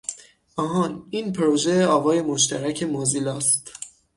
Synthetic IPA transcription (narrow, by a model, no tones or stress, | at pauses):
ɒːɦɒːniːnpʰɾoʒeɒːvɒːje̞moʃt̪æɾæcʰe̞mozilɒːst̪